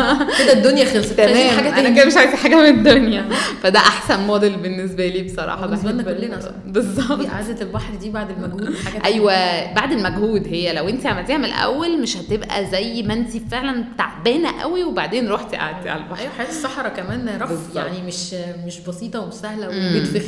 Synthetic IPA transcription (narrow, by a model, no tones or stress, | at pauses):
ked̪æd̪ːonjæxelst̪ːæmæːħaɡææked̪æmeʃʕajzħaːɡæmeed̪ːonjæfæd̪æʔaħsænmɑːd̪elbenːes̬bæliːbesˤɑɾˤɑ̰ːħɑd̪nːkolːenæ̰ | bezˤːɑbd̪ʔaʕd̪æt̪elbɑħɾd̪iːbaʕd̪elmæɡhuːħaæʔæjjwæbaʕd̪elmæɡhuːd̪hejːælæwʔent̪iʕamælt̪iːhæmelʔæ̰wːælmeʃhæt̪ebʔæ̰zæjːmænsifeʕlænbt̪aʕbæːnæʔæ̰wiwebaʕd̪eːnɾˤoħt̪eʔa̰ʕd̪iʕa̰lælbɑʔwħajæːt̪esˤːɑħɾˤɑkæmæːnɾˤɑbja̰ʕnimeʃmeʃbɑsiːt̪ˤɑwsæhlæweed̪fex